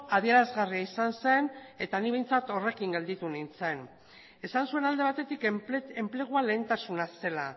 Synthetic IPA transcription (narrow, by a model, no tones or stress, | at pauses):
aðie̞ɾazɣariaisanse̞ne̞t̪aniβe̞jnt͡sat̪o̞re̞kiŋɡe̞ld̪it̪unint͡se̞n | e̞sansue̞nald̪e̞β̞at̪e̞t̪ike̞mple̞ɣ̞uale̞ːnt̪asunase̞la